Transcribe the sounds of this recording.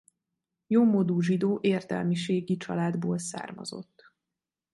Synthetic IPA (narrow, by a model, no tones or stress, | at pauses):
joːmod̪uːʒid̪oːʔeːrt̪ɛ̰lmiʃeːɡit͡ʃɒlaːd̪boːlsa̰ːrmɒ̰zo̞̰t̪ː